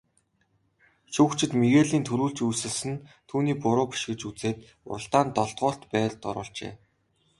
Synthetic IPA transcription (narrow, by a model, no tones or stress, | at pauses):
ʃuːkt͡ɕʰɪ̆t̪meɣeːɮiːnt̪ʰɵɾuːɮt͡ɕujsɘ̆ɮsɘ̆nt̪ʰuːniːpʊɾʊːpi̥ʃɡɘ̆t͡ɕut͡seːt̪ | ʊ̰rə̆ɬt̪aːnt̪ɔɮt̪ʁʊːɬt̪pæːɮt̪ɔɾʊ̰ːɬt͡ɕḛː